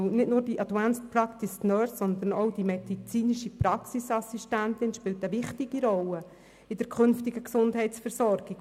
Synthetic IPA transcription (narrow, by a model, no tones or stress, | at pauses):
nɪtnʊːɾd̥iʔɑdvænspʰrɑkt̪ɪsnœːsːɔnd̪ənowd̥imɛd̥it͡siːniʃiprɑksisɑsiʃtænt̪ɪnʃpɪltəʋɪχtiɡ̥iɾɔlə | ɪd̥əɾkʰχʏnftɪɡəksʊndɦɛɪtsfɛɾsɔɾɡik